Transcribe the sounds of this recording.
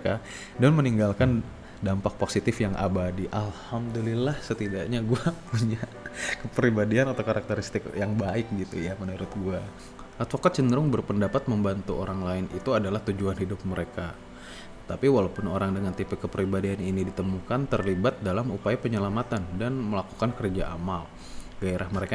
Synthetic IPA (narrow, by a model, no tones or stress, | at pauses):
ka | danməniŋɡalkan | dampak̚posit̪ɪfjaŋʔa̰badiʔalhamdulilahsət̪idaʔɲaɡuapuɲa | kəpəɾibadianat̪awkaɾak̚t̪əɾist̪ɪkjaŋbaɪk̚ɡit̪ṵjamənuɾʊt̪̚ɡua | ʔat̪fokat̪̚t͡ʃəndəɾʊŋbərpəndapat̪̚məmbant̪uʔoɾaŋlaɪnit̪uadalaht̪ud͡ʒuanhidʊp̚məɾeka | t̪apiwalapʊnoɾaŋdəŋant̪ipɛkːəpəɾibadianinidit̪əmukant̪ərlibat̪̚dalamupajapəɲəlamat̪andanməlaku̥kankərd͡ʒaʔa̰mal | ɡ̥aeɾʔahməɾeka